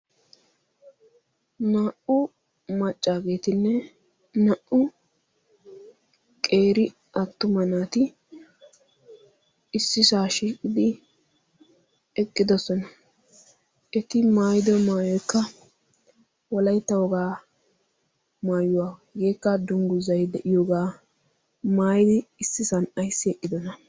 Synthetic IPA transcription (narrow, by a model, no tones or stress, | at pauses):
naːʔʊ | mɐt͡ʃʼːaːɡe̞ːt̪ɪnːɛ | nɐʔʊ | kʼe̞ːɾɪ | ʔɐt̪ːʊmɐnaːt̪ɪ | ɪsːɪsaːʃiːkʼɪd̪ɪ | ɛkʼːɪd̪ɔsɔnɐ | ʔɛt̪ɪmaːjɪd̪ɔmaːjɔjkːɐ | wɔlɐjt̪ːɐwɔɡaː | maːjʊwaːɡe̞ːkːɐd̪ʊŋɡʊzɐjd̪ɛʔɪjoɡaː | maːjɪd̪ɪːsːɪsɐnɐjsːɪɛʔːɪd̪ɔnɐ